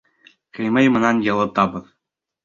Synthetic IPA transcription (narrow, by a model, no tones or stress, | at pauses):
kɘ̆jmɘjmɤ̆nɑnjɤ̆lˠɤt̪ɑbɤ̆ð